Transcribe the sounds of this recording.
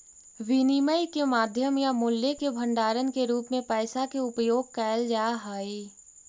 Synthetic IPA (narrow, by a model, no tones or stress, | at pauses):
ʋiniməjkemaːd̪ʱjəmjamʊljekebʱə̃ɳɖaːɾənkeɾuːpmẽpɛːsakeʊpjoːɡ̚kɛːld͡ʒaːɦaːi